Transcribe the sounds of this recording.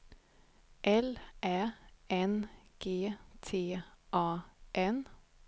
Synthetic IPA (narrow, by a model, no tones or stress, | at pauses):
ʔɛlʔæːʔɛnɡ̥eːt̪ʰeːʔɑːʔɛn